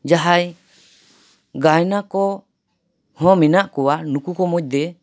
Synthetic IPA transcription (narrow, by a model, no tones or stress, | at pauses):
d͡ʒaɦaj | ɡajnakɔ | hɔ̃mɛnaʔkɔwanukukɔmɔc̚d̪ɛ